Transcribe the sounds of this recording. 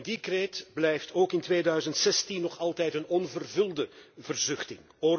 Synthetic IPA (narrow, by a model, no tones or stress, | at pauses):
ndikreːtblɛjftʰoːkɪntʋeːdœɥzəntsɛstinːɔχɑlˠtɛjtənɔnvərvɵlˠdəvərzʏχtɪŋ | oː